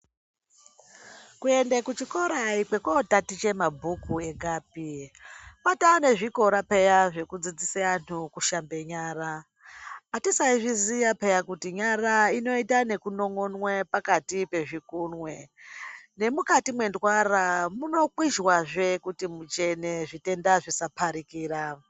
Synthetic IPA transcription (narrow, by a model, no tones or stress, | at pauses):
kue̞ndekut͡ʃiko̞ɾaikwe̞kotatit͡ʃe̞mabʱukue̞ɡʱaːp̚i | pataoneʐiko̞ɾapejaʐe̞kud͡zid͡zisean̤ukuʃambe̞ɲaːraː | tisaiʐizijape̞jakutiɲaɾaino̞itane̞kuno̞ŋo̞nwepakatipe̞ʐikunwe̞ | ne̞mukatimwe̞ndwaramuno̞kwiʒwaʐe̞kutimut͡ʃe̞neʐite̞ndaʐisapʰaɾikiːɾa